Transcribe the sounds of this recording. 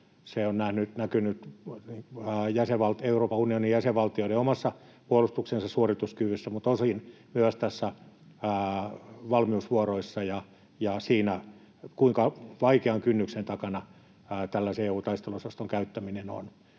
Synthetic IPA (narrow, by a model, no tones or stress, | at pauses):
seonnæhnyt̪nækynyt̪nijæseʋʋɑlt̪euroːpɑunionijæseʋʋɑlt̪ioileomɑsːɑ | puolust̪uksensɑssuorit̪uskyʋysːæmut̪osinmyæst̪æsːæː | ʋɑlmiusʋuɑroisːɑjɑ | jɑsiːnæ | kuiŋkɑʋɑikeɑŋkynːyksent̪ɑkɑnɑ | t̪ælːæseeːuːt̪ɑist̪eluosɑst̪oŋkæyt̪ːæmineno̰n